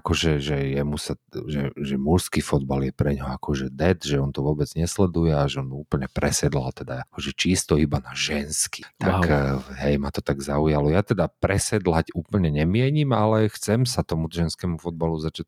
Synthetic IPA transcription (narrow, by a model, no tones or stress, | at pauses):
akɔʒɛʒɛjɛmusaʒɛʒɛmuɾskifɔd̪̚baljɛpɾɛɲɦɔakʰɔʒɛd̪ɛd̪ʒɛɔnt̪ɔʋʊɔbɛd͡zɲɛslɛd̪ujɛaʒɛɔnuːpl̩ɲɛpɾɛsɛd̪la̰lt̪ɛd̪aakɔʒɛt͡ʃiːst̪ɔibanaʒɛnski̥t̪akɦɛjmat̪ɔt̪aɡzaujalɔjat̪ɛd̪apɾɛsɛd̪lacuːpl̩ɲɛɲɛmɪɛɲimalɛxt͡sɛmsat̪ɔmut̪ʒɛnskɛːmufɔd̪̚baluzat͡ʃac̚